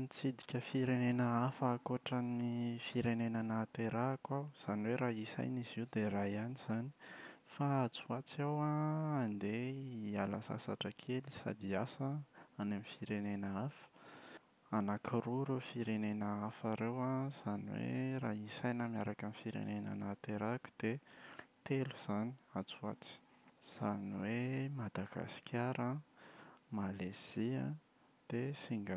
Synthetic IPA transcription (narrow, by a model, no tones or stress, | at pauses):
nit͡sid̪ikʲəfiɾenenəafaːkoʈ͡ʂanifiɾenenanat̪eɾakwaz̥aniweɾaisa̰jniziwud̪erajaniz̥ani̥fat͡suat͡siawãːnd̪eialasa̰sa̰ʈ͡ʂəkʰelisa̰d̪iasəanamifiɾenenəafə̥ | anakʰiɾuɾefiɾenenəafaɾewaz̥aniwḛraːisajnəmiaɾakanifiɾḛnena̰nat̪eɾaku̥d̪̥et̪eluz̥ani̥at͡sua̰t͡si̥ | z̥aniwemad̪aɡ̥a̰si̥kʲʰaɾə | malez̥iə | d̪̥esiŋɡa